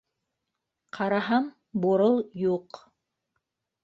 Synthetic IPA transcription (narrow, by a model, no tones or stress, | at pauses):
qʰɑɾɑɦɑm | buɾɤlˠjuq